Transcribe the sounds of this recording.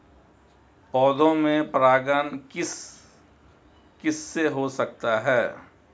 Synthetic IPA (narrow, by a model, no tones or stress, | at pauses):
pɔːd̪õmẽpɾaːɡənkɪs | kɪsːeɦosɐk̚t̪aɦɛː